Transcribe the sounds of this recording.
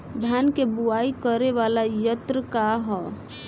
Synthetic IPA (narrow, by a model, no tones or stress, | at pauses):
d̪ʱjankebuaikəɾeʋalajət̪ɾəkaɦɔ